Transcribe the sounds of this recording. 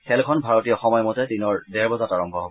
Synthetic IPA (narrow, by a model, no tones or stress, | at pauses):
xɛlkʰɔnbʱaɹɔtijɔxɔmɔjɔmɔtɛdinɔɹdɛɹbɔzataɹɔmbʱɔɦobɔ